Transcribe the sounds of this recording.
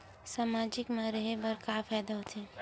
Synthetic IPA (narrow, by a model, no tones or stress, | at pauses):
saːmaːd͡ʒɪkmãɾəɦebɐɾkaːpʰɛːd̪aɦoːt̪ẽ